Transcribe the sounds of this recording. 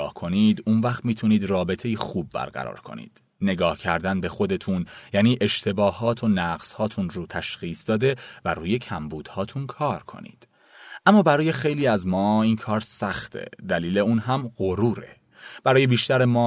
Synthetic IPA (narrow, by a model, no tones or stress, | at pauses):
hkʰo̞nid̪unvæxt̪miːt̪ʰuniːd̪rɒːbe̞t̪ʰe̞jixuːbːæ̰ɾɢæ̰ɾɒ̰ːɾkʰo̞̰nḭːd̪̥ | ne̞ɡɒːhcʰæɾd̪ænbe̞xo̞d̪e̞t̪ʰunjæːniːʔe̞ʃt̪ʰe̞bɒːhɒːt̪ʰo̞næɣz̥hɒːt̪ʰunɾoːt̪ʰæʃxiːsd̪ɒːd̪e̞væɾuːje̞cʰæmbuːd̪̥hɒːt̪ʰunkʰɒːɾkʰo̞̰nḭːd̪̥ | ʔæmːɒːbæɾɒːje̞xe̞jliːæzmɒːiːnkʰɒːɾsæxt̪ʰe̞̰d̪æliːleuːnɦæmɢoɾuːɾḛ | b̥æɾɒːjebiːʃt̪æɾemɒː